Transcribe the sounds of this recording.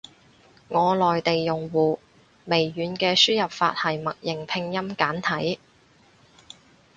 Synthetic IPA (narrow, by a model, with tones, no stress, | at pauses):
ŋɔː˨˧lɔː˨jt̪e˨jːʊ˨ŋwuː˨˩ | me˨˩jːyː˨˧nkɛː˧syː˥jɐ˨p̚fa̰ː˧t̚hɐ˨˩jmɐ˨t̚jɪ˨˩ŋpʰɪ˧ŋjɐ˥mkaː˨˥nt̪ʰɐ˨˥j